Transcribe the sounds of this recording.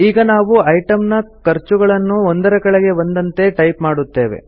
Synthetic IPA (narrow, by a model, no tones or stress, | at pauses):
iːɡɐnaːʋuɐjʈɐmnɐkɐɾt͡ʃuɡɐɭɐnːuond̪ɐɾɐkɐɭɐɡe̞bɐnd̪ɐnt̪e̞ʈɐjpmaːɽut̪ːe̞ːʋe̞̰